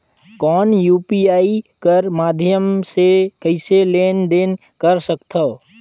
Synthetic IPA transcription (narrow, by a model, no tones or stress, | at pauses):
kɔːnjuːpiaːikəɾmaːd̪ʱjəmsekəɪseleːnd̪eːn | kəɾsəkt̪ʰo